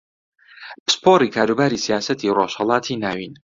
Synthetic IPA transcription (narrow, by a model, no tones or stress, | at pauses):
pɨ̥spʰoɾikʰaːɾubaːɾisijaːsɐt̪ʰiroʃhɛlˠɑːt̪ʰinaːwin